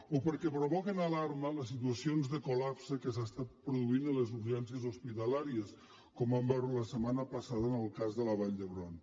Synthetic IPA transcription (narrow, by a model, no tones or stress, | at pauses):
opəɾkɛpɾoβɔkənalaɾmələs̬it̪uəsionzðəkulapsəkəsast̪at̪pɾuðuinələzuɾʒɛnsiəzospit̪əlaɾiəs | kɔmambɛɾləsəmanəpəsaðəːnəlˠkazðələβ̞aʎd̪əβɾɔn